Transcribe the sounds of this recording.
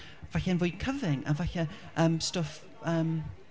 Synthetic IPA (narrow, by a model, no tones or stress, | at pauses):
v̥aɬɛɛnvʊːjkʰəvɪŋa̰vaɬɛ | ʔəːmstof | əːm